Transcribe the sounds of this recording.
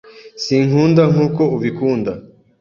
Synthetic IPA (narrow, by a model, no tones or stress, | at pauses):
siŋ̥huːndaŋuːko̞uβikuːnda